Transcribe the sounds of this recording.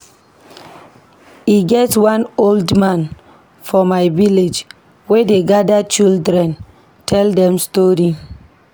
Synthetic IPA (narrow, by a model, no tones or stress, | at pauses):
iɡɛtwãnoldmãn | fɔmajviled͡ʒ | wedeɡadat͡ʃildɾɛ̃n | tʰɛldɛ̃mstɔɾi